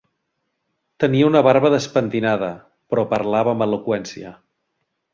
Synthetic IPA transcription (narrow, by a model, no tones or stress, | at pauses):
t̪əniəunəβaɾβəðəspənt̪inaðə | pɾɔpəɾlaβəəməlukwɛnsiə̰